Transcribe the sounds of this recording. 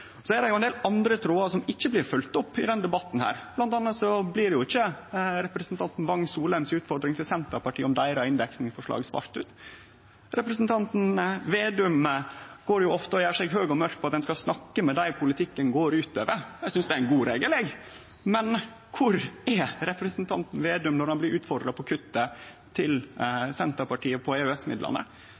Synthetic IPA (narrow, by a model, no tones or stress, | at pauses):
sɔæd̪ɛjʊɛnd̪eːlɑnd̪ɾət̪ʰɾoːɑsɔmɪçːəblɪɾfʉlt̪ɔpːɪ̰d̪ɛnd̪ɛbɑt̪n̩hæ̰ːɾblɑnt̪ɑnːət̪sɔblɪɖɛjʊɪçːəɾɛpɾəsnt̪ʰɑnt̪n̩ʋɑŋːsuːlæmsʉːt̪fɔɖ̪ɾɪŋt̪ʰɪlsɛnt̪əɾpɑʈʰiːɔmd̪æɪɾɑɪnd̪ɛksnɪfɔʂɭɑ̰ːɡsʋɑ̰ːɾt̪ʉ̰ːt̪ | ɾɛpɾəsnt̪ʰɑnt̪n̩ʋeːd̪ʉməɡ̥oːɾjʊɔft̪əɔjæːsɛɡɦøːɡɔmœɾk̪̚pʰɔɑt̪d̪ɛnskɑsnɑkːəmɛd̪æɪpʰʊlɪt̪ʰɪkːənɡoːɾʉːt̪øːʋəjæsʏnsd̪ɛæɾɪnɡuːɾeɡəleːɡ | mɛn | kʰʊɾɛɾɛpɾəsnt̪ʰɑnt̪n̩ʋeːd̪ʉmnɔɾhɑnblɪɾʔʉːt̪fɔɾɖ̪ɾɑpʰɔkʰʉt̪ːə | t̪ʰɪlsɛnt̪əɾpɑʈʰiːəpʰɔɛɛsmɪd̪lɑ̰nə̰